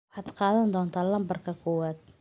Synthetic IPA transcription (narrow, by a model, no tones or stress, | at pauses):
wɑħɑːd̪qɑːðɐnd̪ɔːnt̪ʰaːlɐmbɐrkʰɐkʰɔːwaːd̪̥̚